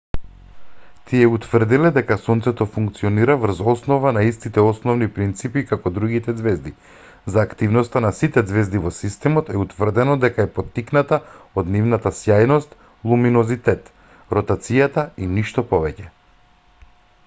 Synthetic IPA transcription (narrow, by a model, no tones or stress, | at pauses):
t̪ʰiɛut̪vər̩d̪ilɛd̪ɛkasɔnt̪sɛt̪ɔfuŋk̚t̪siɔniɾavr̩zɔsnɔvanaist̪it̪ɛɔsnɔvnipɾint̪sipikakɔd̪ɾuɡit̪ɛd̪zvɛzd̪i | zaːkt̪ivnɔst̪anasit̪ɛd̪zvɛzd̪ivɔsist̪ɛmɔt̪ɛut̪vərd̪ɛnɔd̪ɛkaɛpɔt̪ːiknat̪aod̪nivnat̪asjajnɔst̪ | lˠuminɔzit̪ɛt̪ | ɾɔt̪at̪sijat̪ainiʃt̪ɔpɔvɛcɛ